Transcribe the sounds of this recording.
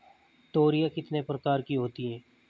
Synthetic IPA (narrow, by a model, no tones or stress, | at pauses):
t̪oːɾijakɪt̪nepɾɐkaːɾkiɦoːt̪iɦɛː